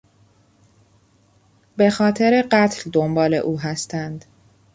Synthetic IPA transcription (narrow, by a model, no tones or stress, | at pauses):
be̞xɒːt̪ʰe̞ɾe̞ɢæt̪ʰld̪ombɒːle̞̰ʔuːɦæst̪ænd̪̥